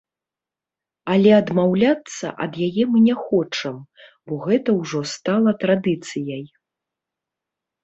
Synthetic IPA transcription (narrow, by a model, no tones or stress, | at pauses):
ɐlʲɛɐd̪mawlʲat̪sːɐ̰ʔɐ̰d̪jajɛmɨnʲɛxɔt͡ʂɐm | bɔɣɛt̪ɐwʐɔst̪alˠɐt̪ɾad̪ɨt̪sɨjɐj